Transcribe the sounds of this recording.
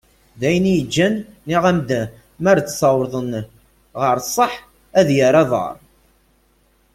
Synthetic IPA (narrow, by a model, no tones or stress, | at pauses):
ðæjənijəd͡ʒːænːiʁæmd̪æ | mæɾt͡sːsɑwɾðˤən | ʁəɾsˤːəħ | æðjəɾɑðˤɑ̰ɾˤ